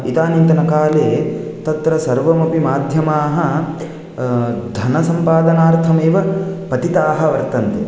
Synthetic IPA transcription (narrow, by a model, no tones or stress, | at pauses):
it̪aːnint̪ɐnɐkaːleːt̪ɐt̪ɾɐsɐɾʋɐmɐpimaːd̪ʱjɐmaːɦɐ̆ | d̪ʱɐnɐsɐmpaːd̪ɐnaːɾt̪ʰɐmeːʋɐpɐt̪it̪aːɦɐ̆ʋɐɾt̪ɐnt̪e